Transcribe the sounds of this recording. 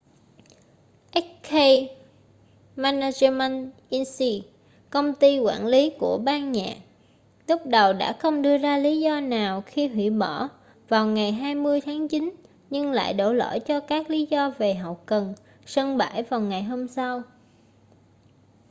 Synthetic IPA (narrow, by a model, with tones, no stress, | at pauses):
ʔɛ˦˥t̚ke˧j | maː˧na˧zə˧ma˧nʔi˧nsi˧ | kə˧wŋ͡mt̪i˧kwa̰ː˧˩nli˨˦ku˧˩əɓaː˧nɲa̰ː˨˩ʔ̚ | lʊ˦˥k͡p̚ɗə˨˩wɗa̰ː˧˥xə˧wŋ͡mɗɨ˧əzaː˧li˨˦zɔ˧naː˨˩wxi˧ɦwḭ˧˩ɓɔ˧˩ | vaː˨˩wŋa˨˩jɦaː˧jmɨ˧əjt̪ʰaː˨˦ŋt͡ɕi˨˦n | ɲɨ˧ŋla̰ː˧˨jɗo̰˧˩lo̰˧˥˩jt͡ɕɔ˧kaː˦˥k̚li˨˦zɔ˧ve˨˩ɦɔ˨˩w̚kə˨˩n | sə˧ŋɓa̰ː˧˩jvaː˨˩wŋa˨˩jɦo˧msa˧w